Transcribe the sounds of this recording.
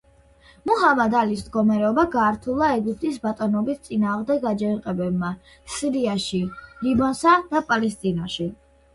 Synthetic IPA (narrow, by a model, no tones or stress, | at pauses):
muɦamad̪alis̬md̪ɡɔmaɾɛɔbaɡaːɾt̪ʰulˠaɛɡip̚ʰt̪ʼisbat̪ʼɔnɔbist̪sʼinaːʁmd̪ɛɡad͡ʒɛiqʼɛbɛbma | siɾiaʃilibansad̪̥apʼalɛst̪ʼinaʃi